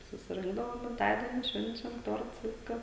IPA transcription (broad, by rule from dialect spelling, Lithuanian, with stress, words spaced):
sʊsʲɪˈrʲɪŋɡdɐʋoːm ɡʲɪmˈtɑːdʲiɛnʲɪ ˈʃʲʋʲɛnʲt͡ʃʲɛm ˈtoːrts ˈʋʲɪskɐ